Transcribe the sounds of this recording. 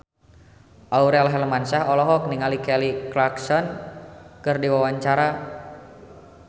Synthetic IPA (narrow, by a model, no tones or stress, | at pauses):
ʔauɾɛalaɦɛləmansaɦɔlɔɦɔk̚niŋalikɛliklaksɔn | kɨrdiwawaɲt͡ʃaɾa